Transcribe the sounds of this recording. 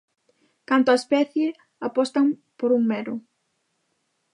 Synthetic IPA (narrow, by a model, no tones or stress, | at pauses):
kant̪oɐspɛθje | apɔst̪ɐmpoɾuŋmɛɾuʊ